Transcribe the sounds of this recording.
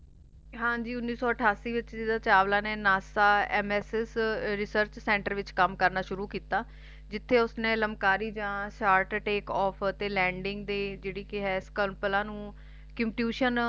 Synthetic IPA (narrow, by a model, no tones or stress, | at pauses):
ɦãːd͡ʒiːʊnːiːsɔːəʈʰaːsiːʋɪt͡ʃɪd̪aːt͡ʃaːʋlãːneːnaːsaːɛːmɛːsɛsɾɪsəɾt͡ʃsɛ̃ːɳʈəɾʋɪt͡ʃkəmkəɾnaːʃʊɾuːkiːt̪aː | d͡ʒɪt̪ʰːeːʊsnẽːləmkaːɾiːd͡ʒãːsʈaːɾʈʈeːkɔːpʰt̪eːlɛ̃ːɳɖɪŋɡd̪eːd͡ʒeːɽiːkɪɦɛːskəlpəlãːnũː | kɪmʈjuːʃən